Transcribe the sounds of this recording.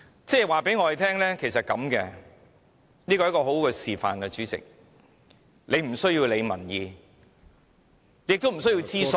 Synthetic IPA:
t͡sɛː˥˩waː˨˩pe˨˥jŋɔː˨˧e˨˧t̪ʰɛː˥ŋlɛː˥kʰe˨˩js̬ɐ˨t̚kɐ˨˥mkɛː˧ | niː˥kɔ˧˦˥kɔː˧ɦo˨˥wkɛː˧siː˨fa̰ː˨nɡɛ˧t͡ʃyː˨˥t͡sɪ̰˨k̚ | le˨˧jm̩˨˩sɵ˥ɥjiː˧wle˨˧jmɐ˨˩njiː˨˧ | le˨˧jɪ˨kt̪wm̩˨˩s̬ɵ˥ji˧wt͡siː˥s

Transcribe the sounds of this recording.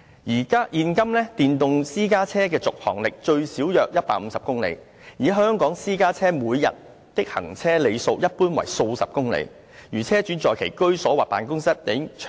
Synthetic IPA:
jiː˨˩kaː˥ʔiː˧nkɐ˥mlɛː˥t̪iː˨nt̪ʊ˨ŋsiː˥kaː˥t͡sʰɛː˥kɛː˧t͡sʊ˨k̚hɔ̰ː˨˩ŋlɪ˨k̚t͡ʃɵ˧ɥsiː˨˥wjœː˨k̚jɐ˥t̚pa̰ː˧k̚m̩˨˧˦sɐ˨p̚kʊ˥ŋlḛ˨˧j | jiː˨ɦœː˥ŋkɔː˨˥ŋsiː˥kaː˥t͡sʰɛː˥muː˨˧jjɐ̰˨t̚ | t̪ɪ˥k̚hɐ̰˨˩ŋt͡sʰɛː˥le˨˧jso˧wjɐ˥t̚puː˥nwɐ̰˨˩jso˧wsɐ˨p̚kʊ˥ŋlḛ˨˧j | jyː˨˩t͡sʰɛː˥t͡ʃyː˨˥t͡sɔː˨jkʰḛ˨˩jkɵ˥ɥsɔː˨˥waː˨˩paː˨nkʊ˥ŋsɐ˥t̚t̪e˨˥t͡ʃʰː

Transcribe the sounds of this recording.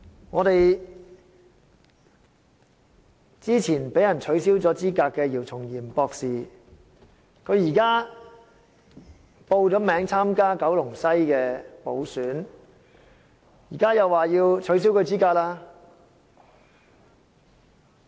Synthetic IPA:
ŋɔː˨˧ɾe˨j | t͡siː˥t͡sʰiː˨˩npe˨˥jɐ˨˩nt͡ʃʰɵ˨˥ɥsiː˥wt͡sɔː˨˥t͡siː˥kaː˧kːɛː˧jiː˨˩wt͡sʰʊ˨˩ŋjiː˨˩mpɔː˧k̚siː˨˩ | kʰɵ˨˧ɥjiː˨˩kaː˥ | po˧wt͡sɔː˨˥mɛː˨˧˥ŋt͡sʰaː˥mkaː˥kɐ˨˥wlʊ˨˩ŋsɐ˥jkɛː˧po˨˥wsyː˨˥n | jiː˨˩kaː˥jɐ˨wːaː˨jiː˧wt͡ʃʰɵ˨˥ɥs̬iː˥wkʰɵ˨˧ɥt͡siː˥kaː˧k̚laː˥

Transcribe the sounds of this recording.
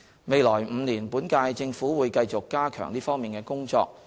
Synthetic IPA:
me˨jlɔː˨˩jm̩˨˧niː˨˩npuː˨˥nkaː˧jt͡sɪ˧ŋfuː˨˥wuː˨˧jkɐ˧jt͡sʊ˨kːaː˥kʰœ̰ː˨˩ŋliː˥fɔː˥ŋmiː˨nkɛː˧kʊ˥ŋt͡sɔ̰ː˧k̚

